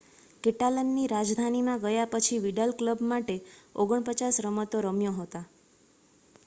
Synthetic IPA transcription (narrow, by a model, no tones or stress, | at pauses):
keʈalənːiɾad͡ʒd̪ʱanimãɡəjapət͡ʃʰiʋiɖəlkləbmaʈeoɡəɳpət͡ʃasɾəmət̪oɾəmjoɦot̪a